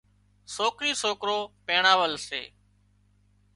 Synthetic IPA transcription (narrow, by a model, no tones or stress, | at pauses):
soːkɾiːsoːkɾoːpẽːɳaːʋəlsḛː